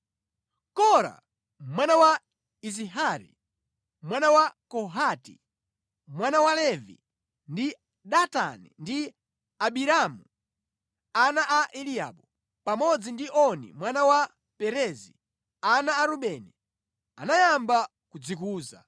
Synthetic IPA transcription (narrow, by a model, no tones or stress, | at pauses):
kɔɾa̰ | mwanawa | iziɦaɾḭ | mwanawakɔɦatḭ | mwanawalɛvḭ | ndi | ɗata̰nḭndi | aɓiɾamu | anaʔaʔɛlia̰ɓɔ | pamɔd͡zindiʔɔnḭmwanawa | pɛɾɛzḭ | anaːɾuɓɛnɛ | anajamba | kud͡zikuːza̰